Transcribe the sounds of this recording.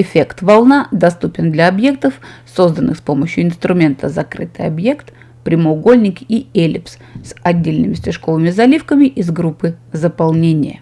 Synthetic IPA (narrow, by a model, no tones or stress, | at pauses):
ɪfʲe̞kt̪vɐlˠnad̪ɐst̪upʲɪnd̪lʲɐɐbje̞k̚t̪əfso̞zd̪ənːɨxspo̞məɕjʊɪnst̪ɾʊmʲe̞nt̪ʰəzɐkɾɨt̪ɨ̰jɐ̰bje̞kt̪ | pɾʲɪməʊɡolʲnʲɪkielʲɪps | sɐdʲːelʲnɨmʲɪstʲɪʂko̞vɨmʲɪzɐlʲifkəmʲɪʔɪzɡɾupːɨzəpɐlˠnʲenʲɪjə̰